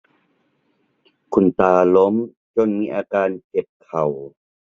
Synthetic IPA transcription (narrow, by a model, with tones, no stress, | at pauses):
kʰu˧˩nt̪aː˧lo˦˥m | t͡ɕo˧nmiː˧ʔaː˧kaː˧nke˨˩p̚kʰa˨˩w